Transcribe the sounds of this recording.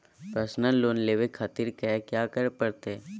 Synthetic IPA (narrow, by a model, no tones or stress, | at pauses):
pɾəsnəlːoːnleːʋekʰaːt̪iɾkəakjaːkəɾpəɾt̪e